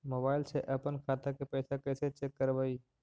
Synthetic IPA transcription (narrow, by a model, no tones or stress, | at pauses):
mobaːɪlseʔɐpənkʰaːt̪akepɛːsakɛːset͡ʃekːəɾʋaːiː